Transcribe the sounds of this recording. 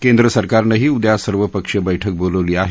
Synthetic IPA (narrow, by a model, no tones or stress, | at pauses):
kend̪ɾəsəɾkaɾnəɦiːud̪jasəɾʋəpəkʂəbəjʈʰək̚boləʋliːaɦe